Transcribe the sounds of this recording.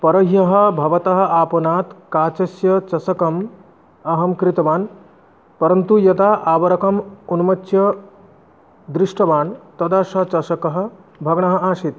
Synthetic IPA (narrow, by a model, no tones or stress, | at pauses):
pɐɾɐɦjɐɦɐ̆bʱɐʋɐt̪ɐɦɐ̆aːpɐnaːt̪kaːt͡ʃɐsjɐt͡ʃɐsɐkɐm | ɐɦɐmkɾit̪ɐʋaːn | pɐɾɐnt̪ujɐt̪aʔaːbɐɾɐkɐmunmɐt͡ʃːjɐ | d̪ɾɪʂʈɐʋaːnt̪ɐd̪ɐʃɐt͡ʃɐsɐkɐɦɐ̆ | bʱɐɡɳɐɦɐ̆aːʃit̪